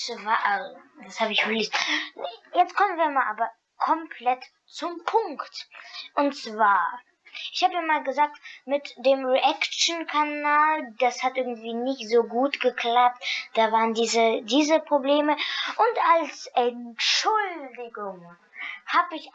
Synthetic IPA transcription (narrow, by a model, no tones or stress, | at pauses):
z̥ovaːʔazd̥ashaːbəɪçoliːst | jɛt͡stkʰɔmənviːɐmaːlʔa̰ːbɐ | kʰɔmpʰlɛt | t͡sʊmpʰʊŋktʔʊntt͡sv̥aːɐ | ʔɪçhaːbəiːmaːlɡəzaːk̚tmɪtd̥eːmʁiʔɛkt͡ʃn̩kʰanaːld̥ashatʔɪɐɡŋ̩tv̥iːnɪçtz̥oːɡuːtɡ̥əklap̚td̥aːvaːʁəndiːzədiːzəpʁ̥obleːməʔʊntalsɛntʃʊldɪɡʊŋ | haːbəɪç